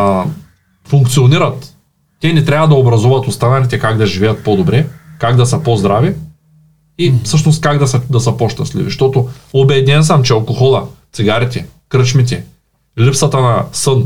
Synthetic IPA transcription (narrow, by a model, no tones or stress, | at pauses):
fuŋkt̪sioniɾɐt̪ː | ɛnɛt̪ɾʲavɐd̪ɐobɾɐzɔvɐt̪ost̪anɐlit̪ɛkaɡd̪ɐʒivɛjɐt̪̚pod̪obɾɛkaɡd̪ɐsəpozd̪ɾavi | ifsɤʃnost̪̚kaɡd̪ɐsɐd̪ɐsɐpoʃt̪ɐslḭvḭʃt̪ɔt̪oobɛd̪ʲnɛns̬amt͡ʃɛɐlˠkoxɔlˠɐt̪siɡaɾit̪ɛkɾɤt͡ʃmit̪̬ɛ | lipsɐt̪ɐnɐsɤn